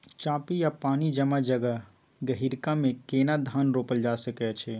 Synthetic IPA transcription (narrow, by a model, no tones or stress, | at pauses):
t͡ʃãːpijapaːnid͡ʒəmad͡ʒəɡə | ɡəɦiɾkamekenad̪ʱanɾoːpəld͡ʒasəkɛt͡ʃʰɛ